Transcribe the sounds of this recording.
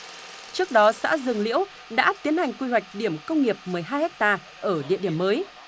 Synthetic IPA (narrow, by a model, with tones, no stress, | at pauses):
t͡ɕɨ˦˥ək̚ɗɔ˨˦sa̰ː˧˥zɨ˨˩ŋlḭ˧˥əw | ɗa̰ː˧˥t̪i˨˦ənha˨˩jŋ̟kwi˧ɦwa˨˩jk̟̚ɗi˧˩əmkə˧wŋ͡mŋi˨˩əp̚mɨ˨˩əjɦaː˧jhɛ˦˥k̚t̪aː˧ | ʔəː˧˩ɗḭ˧˨ɗi˧˩əməː˨˦j